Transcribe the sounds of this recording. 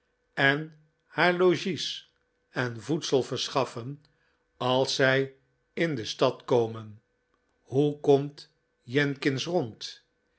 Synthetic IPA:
ɛn | haːɹloʒis | ɛnvutsəlˠvəɹsχɑfən | ɑlˠsɛj | ɪndəstɑtkowmən | hukɔmt | jɛnkɪnsrɔnt

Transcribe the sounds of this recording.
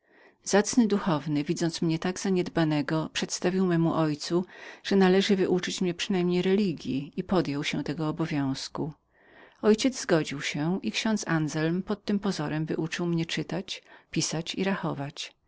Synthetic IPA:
zat̪snɘd̪uxɔvnɘvʲid̪zɔnt̪smɲɛt̪aɡzaɲɛd̪banɛɡɔpʂɛt̪st̪avʲiwmɛmuʔɔjt̪suʐ̥ɛnalɛʐɘvɘʔut͡ʂɘt͡ɕmɲɛpʂɘnajmɲejɾɛlʲiɡʲjiipɔd̪jɔwɕɛt̪ɛɡɔːbɔvʲjɔ̃w̃sku | ɔjt͡ɕɛd̪zzɡɔd͡ʑiwɕɛikɕɔ̃nt̪sanzɛlmpɔt̪ːɘmpɔzɔɾɛmvɘʔut͡ʂɘwmɲɛt͡ʂɘt̪at͡ɕpʲisat͡ɕiɾaxɔvat͡ɕ

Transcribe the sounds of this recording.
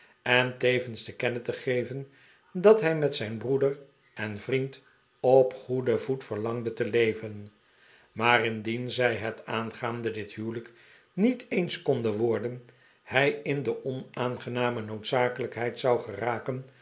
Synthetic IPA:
ɛntejvənstəkɛnətəχejvən | dɑtɦɛjmɛtsɛjnbrudər | ɛnvrint | ɔpχudəvutfəɹlɑŋdətəlejvən | maːrɪndinzɛjɦətaːnχaːndədɪtɦywlək | nitejnskɔndəʋɔɹdən | hɛjɪndəʔɔnaːnχənaːmənowtsaːkələkɦɛjtsɑwχəraːkən

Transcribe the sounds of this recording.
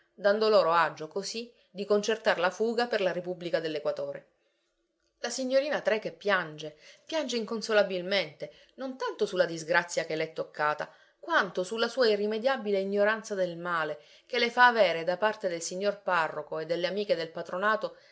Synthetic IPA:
d̪and̪oloːɾoad͡ʒːokosi | d̪ikont͡ʃert̪aɾlafuːɡaperlaɾepubːlikad̪elːekwat̪oːɾe | lasiɲːoɾiːnat̪ɾekepːjand͡ʒepjand͡ʒeiŋkonsolabilment̪e | nont̪ant̪osulːad̪izɡɾat̪sːjakeleɛt̪ːokʰːaːt̪a̰ | kwant̪osulːasuːairːimed̪jabileiɲːoɾant̪sad̪elmaːle | kelefaːveːɾed̪apart̪ed̪elsiɲːorparːokoed̪ːelːeamiːked̪elpat̪ɾonaːt̪o

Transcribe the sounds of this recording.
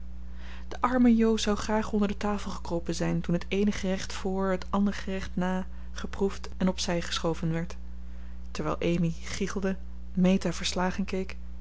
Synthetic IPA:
d̥əʔɑɹməjowzɑwχraːχɔndəɹdətaːflˠχə̥krowpənzɛjntunɦətejnəχərɛχtfʊːɹɦətɑndəɹχərɛχtnaː | χəpruftɛnɔpsɛjχə̥sχowvənʋɛɹt | tɛɹʋɛ̰jlˠʔejmi | χiχəlˠdə | mejtaːvəɹslaːχənkejk

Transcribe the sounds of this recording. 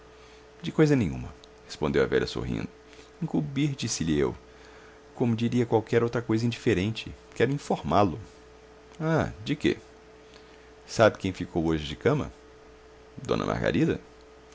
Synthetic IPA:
d͡ʒɪkojzɐnẽj̃ṵ̃mɐ | he̥spõd̪ewɐ̰vɛ̰ʎɐ̰so̰ɦḭ̃nd̪ʊ | ĩkubiɾd͡ʒisɪʎɪḛw | kõmʊd͡ʒiɾiɐkwawkɛɾowt̪ɾɐkojzɐĩd͡ʒifeɾẽnt͡ʃɪkɛɾʊĩfoɾmalʊ | ad͡ʒɪkḛ | sabɪkẽj̃fikʰowoʒɪd͡ʒɪkɐ̃mɐ̰ | d̪õ̰nɐ̰ma̰ɾɡa̰ɾid̪ɐ̰

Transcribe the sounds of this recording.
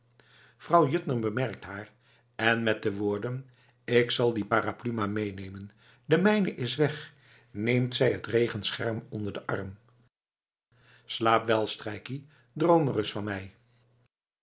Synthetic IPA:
v̥rɑwjʏtnəɹbəmɛɹk̚tɦaːɹ | ɛnmɛt̚dəʋʊːɹdən | ɪksɑlˠdipaːraplymamejnejmən | dəmɛjnəʔɪsʋɛχ | nejmtsɛjɦətrejχənsχɛ̰ɹmɔndəɹdəʔɑ̰rm | slaːpʋɛlˠstrɛjki | drowmərəsfɑnmɛj

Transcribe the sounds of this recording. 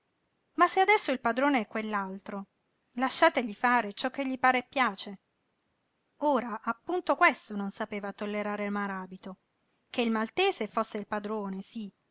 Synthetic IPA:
masːead̪ɛsːoilpad̪ɾoːneɛkːwelːalt̪ɾo | laʃːaːt̪eʎifaːɾet͡ʃɔk̟ːeʎːipaːɾepːjaːt͡ʃe | oːɾaʔːpːunt̪okwest̪ononsapeːvat̪olːeɾaːɾelmaɾaːbit̪o | keilmalt̪eːzefosːeilpad̪ɾoːnesi

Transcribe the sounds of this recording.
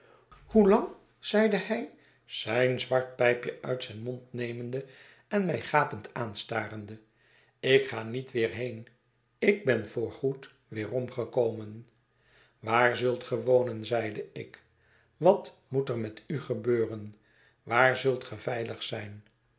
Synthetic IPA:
hulɑŋ | z̥ɛjdəhɛj | z̥ɛjnzʋɑɹt̚pɛjpjəʔœ̰ɥtsɛjnmɔntnejməndə | ɛnmɛjχaːpəntʰaːnstaːɾəndə | ɪkχaːnitʋɪːrɦejn | ɪɡ̚bɛnvʊːɹχut | ʋɪːrɔmχəkowmən | ʋaːɹzɵlˠtχəʋownənzɛjdəɪk | ʋɑt | mutərmɛtyχəbøːrən | ʋaːɹzɵlˠtχəvɛjləχsɛjn

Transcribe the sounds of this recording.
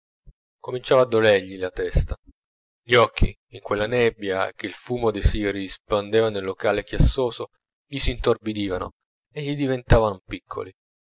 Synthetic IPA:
komint͡ʃaːvaːd̪ːolɛrʎilat̪ɛst̪a | ʎiɔkʰːḭːŋkwelːanɛbːjak̟elfuːmod̪esiɾiispand̪eːvanelːokaːlekjasːoːzo | ʎisiːnt̪orbid̪iːvano̰ | eʎːid̪ivent̪aːvanpikʰːo̰li

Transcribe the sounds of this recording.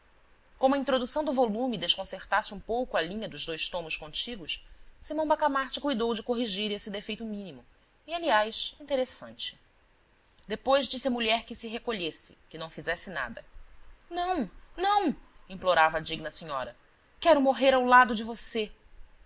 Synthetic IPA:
kõmɐĩnt̪ɾod̪usɐ̃w̃d̪ʊvolũmid̪eʃkõseɾt̪asɪũpowkʊalĩɲɐd̪ʊzd̪ojʃt̪õmʊskõnt͡ʃiɡʊʃsimɐ̃w̃bakamaɾt͡ʃɪkujd̪owd͡ʒɪkoɦiʒiɾesɪd̪efejt̪ʊmĩnimʊ | ialiajsĩnt̪eɾesɐ̰̃nt͡ʃɪ̥ | d̪epojʒd͡ʒisɪɐmuʎɛɾkɪsɪɦekoʎesɪ̥̰kɪnɐ̃w̃fizɛsɪna̰d̪ɐnɐ̃w̃nɐ̃w̃ĩploɾavɐd͡ʒiɡnɐsiɲɔ̰ɾɐ | kɛɾʊmoɦeɾawlad̪ʊd͡ʒɪvose

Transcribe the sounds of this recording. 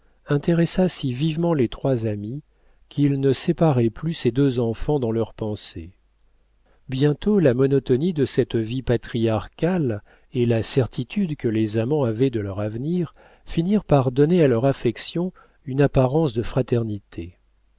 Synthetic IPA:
ɛ̃t̪eʁɛsasivivmɑ̃let̪χwazami | kʲʰilnəsepaʁɛplysed̪øzɑ̃fɑ̃d̪ɑ̃lœʁpɑ̃se | bjɛ̃t̪olamɔnɔt̪ɔnid̪əsɛt̪vipat̪χijaʁkʲal | elasɛʁt̪ʰit̪ʰyd̪kəlezamɑ̃avɛd̪əlœʁavniʁ | finiʁpaʁd̪ɔnealœʁafɛksjɔ̃ | ynapaʁɑ̃sd̪əfχat̪ɛʁnit̪ʰe

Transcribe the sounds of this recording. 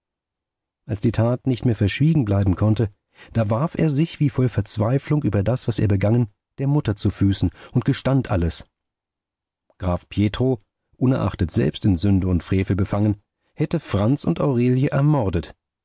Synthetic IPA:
ʔalsd̥iːtʰaːtnɪçtmeːɐfɛɐʃv̥iːɡŋ̩blaɪbm̩kʰɔntə | d̥aːvaɐfḛːɐzɪçv̥iːfɔlfɛɐt͡sv̥aɪflʊŋʔyːbɐdasv̥aseːɐbəɡaŋən | d̥eːɐmʊtɐt͡sufyːsn̩ʊnt̚ɡ̥əʃtantʔaləs | ɡ̥ʁaːfpʰjeːtʁ̥o | ʔʊnɛɐʔa̰χtətz̥ɛ̰lpstɪnzʏndəʊntfʁ̥eːfl̩bəfaŋən | hɛtəfʁ̥ant͡sʊ̰ntʔaʊʁeːljəʔɛɐmɔɐdət

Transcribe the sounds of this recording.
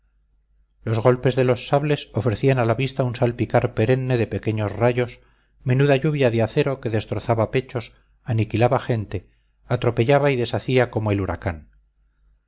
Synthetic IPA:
lo̞zɣo̞lpe̞zðe̞losːaβle̞so̞fɾe̞θianalaβist̪aunsalpikaɾpe̞ɾe̞nːe̞ðe̞pe̞ke̞ɲosraʝo̞s | me̞nuðaʝuβjaðeaθe̞ɾo̞ke̞ðe̞st̪ɾo̞θaβape̞t͡ʃo̞s | anikilaβaχe̞nt̪e̞ | at̪ɾo̞pe̞ʎaβaiðe̞saθiako̞moeluɾa̰kan

